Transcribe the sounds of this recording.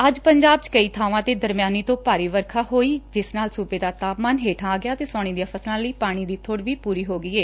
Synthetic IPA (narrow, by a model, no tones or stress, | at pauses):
əd͡ʒpəɲd͡ʒaːb̚t͡ʃkəiːt̪ʰaːʋãːt̪eːd̪əɾmjaːniːt̪õːpaːɾiːʋəɾkʰaːɦoːiːd͡ʒɪsnaːlsuːpeːd̪aːt̪aːpmaːnɦeːʈʰãːaːɡɪjaːt̪eːsɔːɽ̃iːd̪ijaːpʰəslãːləiːpaːɽ̃iːd̪iːt̪ʰoɽʋiːpuːɾiːɦoːɡəiːeː